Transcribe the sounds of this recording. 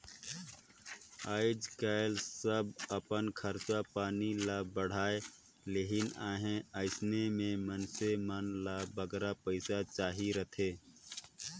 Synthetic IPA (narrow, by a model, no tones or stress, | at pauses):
aːɪd͡ʒkaːɪlsəbəpənkʰəɾt͡ʃapaːnilabəɽ̤aːe | leːɦɪnaːɦẽəɪsnemẽmənsemənlabəɡɾapəɪsat͡ʃaːɦiɾət̪ʰeː